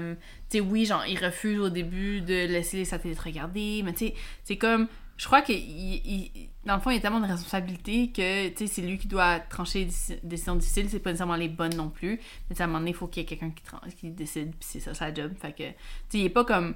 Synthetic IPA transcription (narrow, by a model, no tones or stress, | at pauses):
m | t͡sewiʒɑ̃iʁəfyːzod̪ebyd̪əlɛselesat̪ɛlet̪ʁəɡʲaʁd̪emɛt͡sesɛkɔm | ʒ̥ə̥kχwakəiʔi | d̪ɑ̃ləfɔ̃ijat̪ɛlmɑ̃d̪əʁɛspɔ̃sabilit̪ekət͡sesɛlɥikʲid̪wat̪χɑ̃ʃed̪isd̪esizjɔ̃d̪ifi̥silsɛpɔnesɛʁmɑ̃lebɔnːɔ̃ply | mɛt͡sseamɑ̃d̪ənefokʲiljɛkʲɛlkʲɛ̃kʲi̥t̪χɑ̰̃kʲid̪esɪd̪pi̥sɛsʌsad͡ʒɔbfakə̰t͡seilɛpɔkɔm